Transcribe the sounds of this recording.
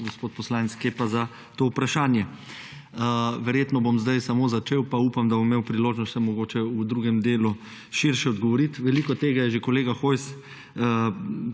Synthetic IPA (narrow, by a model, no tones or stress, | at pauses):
ɡospoːt̪̚pɔslaːnɛt̪skepaza | t̪oːupɾaʃaːnjɛ | ʋɛɾjeːt̪nɔbomzd̪ajsamoːzat͡ʃeːwpauːpamd̪abomːeːwpɾiloːʒnɔst̪sɛmɔɡoːt͡ʃɛud̪ɾuːɡɛmd̪eːlu | ʃiɾʃɛɔd̪ɡɔʋɔɾit̪ʋɛlikɔt̪eːɡajɛʒekoleːɡaxojs